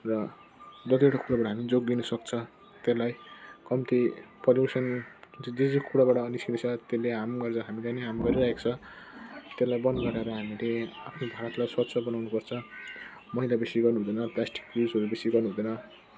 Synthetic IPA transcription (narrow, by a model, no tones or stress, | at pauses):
rʌ | d͡zʌt̪ieʈakuɽabaʈaɦamid͡zoɡ̚d̪inʌsʌk̚t͡sʰʌ | t̪elajkʌmt̪ipʌljusʌntid͡zed͡zokuɽabaʈʌːniskinisʰʌt̪elːeɦamɡʌrt͡sʰʌɦamilaneɦamɡʌɾiɾaɦekt͡sʰʌ | t̪elajbʌnɡʌɾaɾʌɦamileapʰnobʱaɾʌt̪lajswʌt̪sʰʌbʌnawnupʌrt͡sʰʌ | mʌɦilabesiɡʌrnuɦud̪ʌnʌplasʈi̥kprizɦʌɾubesiɡʌrnuɦud̪ʌnʌ